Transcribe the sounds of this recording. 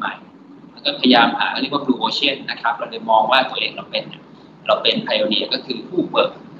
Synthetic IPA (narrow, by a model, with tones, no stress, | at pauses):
ma̰˨˩j | la˧˥wkɔː˥˩pʰa˧ja˧jaː˧mhaː˩˦k̚ʰːwa˥˩pʰluː˧˩ʔoː˧t͡ɕʰi˦˥˩nːa˦˥kʰɾa˦˥p̚ɾa˧wlɤː˧jmɔː˧ŋwaː˥˩t̪u˧ɐʔeː˧˩ŋɾa˧wpe˧nːi˧˩ɐ | ɾa˧wpe˧npʰa˧joː˧ni˧˩ɐkɔː˥˩kʰɯː˧pʰuː˥˩pɤː˨˩k̚